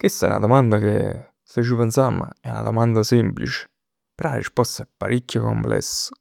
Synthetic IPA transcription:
kwest̪aɛ̰na̰d̪omand̪akḛ | set͡ʃːipɛnsama̰ɛuna̰d̪omand̪asimplit͡ʃe̥ | peɾaaɾḭspɔst̪aɛpːaɾʔikːjoko̰mplɛ̰sːʊ̥

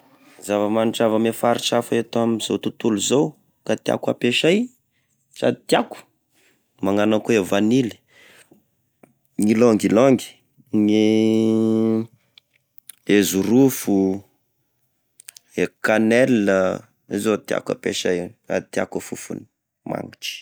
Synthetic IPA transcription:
zavəmanʈ͡ʂavəmefaɾiʈ͡ʂafəet̪amizowt̪ut̪uluzow | kat̪ia̰kwa̰peʃaj | sa̰t̪iaku̥ | maŋanakuevanili̥ | ŋilɔŋɡilɔŋɡi̥ | ne | ezuɾufu | ekanɛlːə | izot̪ja̰ka̰peʃaja̰t̪ja̰kəfufṵni̥ | ma̰ŋiʈ͡ʂi̥

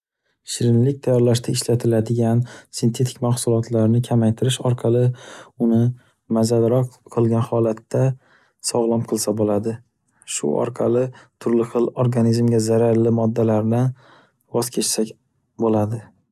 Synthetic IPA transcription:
ʃɪɾɪnlɪk̚ʲt̪ʰajɒɾlaʃt̪ʰaɪʃlat̪ʰɪlad̪ɪɡʲansɪnt̪ʰe̞t̪ʰɪ̥kʲmaχsʊlˠɒt̪ʰlaɾnɪkʲʰamajt̪ʰɪɾɪʃɒɾqʰɑlˠɪʊnɪ | mazalɾɒqqʰːɨlˠɡʲanhɒlat̪ːa | sɒʁlˠɒmqʰɨlˠsabolad̪ɪ | ʃʊ̰ʔɒ̰ɾqʰɑlɪt̪ʰʊɾlɪχɨlˠoɾɡanizmɡʲazaɾaɾlɪmɒd̪ːalaɾnɪ | vɒz̥kʲʰe̞t͡ʃsakʲ | bolad̪ɪ

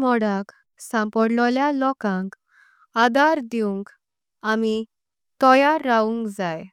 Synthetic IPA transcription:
mɔɽak | sãmpɔɽlɔljalɔkãŋk | ad̪aɾd̪iũŋk | ami | t̪ɔjaɾːaũŋkd͡zaj

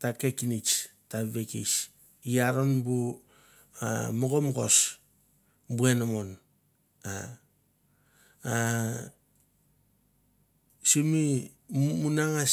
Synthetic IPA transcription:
takekinit͡ʃtaβekḭs | ijaɾonbu | amoɡomɡo̞s | buenamon | a | a | simi | munaŋa

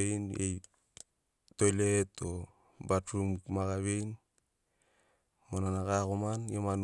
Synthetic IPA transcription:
ejnḛj | tojleto | batɾummakaβejn | monanakakomanjeman

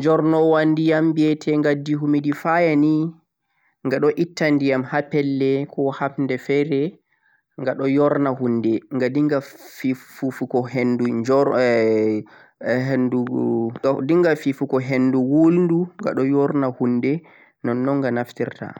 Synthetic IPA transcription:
ɲd͡ʒɔɾnɔwandijambiɛtʰɛŋɡadːiɦumidifajani | ŋɡaɗɔʔitːandijamhapɛlːɛkʰɔhapndɛfɛɾɛ | ŋɡaɗɔjɔɾnahundɛŋɡadiŋɡafifufukɔɦendud͡ʒɔ | ɦendu | diŋɡafifukɔɦenduwulnduŋɡa̰ɗɔjɔɾnahundɛ | nɔnːɔŋɡanaftḭɾta̰

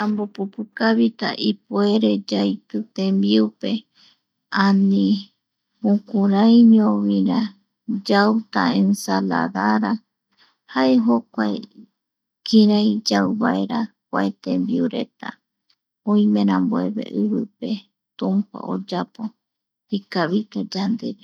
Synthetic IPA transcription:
ãmbopupukaβit̪aʔipue̞ɾe̞d͡ʒajt̪ɨt̪ẽmbiupe̞ | ãnĩ | mũkũɾãjɲõβĩɾa | d͡ʒawt̪a̰ẽnsala̰ðaɾa | haʔe̞ɦokʷae | kĩɾajd͡ʒawβae̞ɾa | kʷaet̪ẽmbiuɾe̞̰t̪a̰ | õĩmẽ̞ɾ̃ãmboe̞βe̞̰ʔɨβɨpe̞ | t̪ũmpa̰o̰d͡ʒapo | hikaβit̪ad͡ʒand̪e̞̰d͡ʒo

